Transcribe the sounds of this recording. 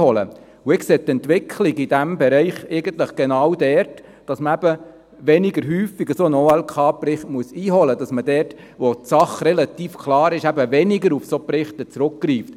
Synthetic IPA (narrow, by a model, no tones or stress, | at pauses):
hɔlə̰ | uɪkseːt̪ɛntʋɪkʰliɡid̥æmbɛɾɛɪχæɪɡəntləχɡ̥enɑwdɛɾt | d̥ɑsməæbə | ʋɛniɡəɾɦyːfiɡəsoənoːɛlkʰɑːprɪχtmuəsiːɦɔləd̥ɑsmədɛt | ʋotsɑχrɛlɑt̪iːfkʰlɑːɾɪʃæbəʋɛniɡəɾufsoprɪχt̪ət͡sɾʊk̚ɡriːft